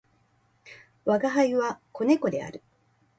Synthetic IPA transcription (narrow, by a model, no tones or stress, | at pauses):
βaɡaɦaiβako̞ne̞ko̞d̪e̞a̰ɾɯ̟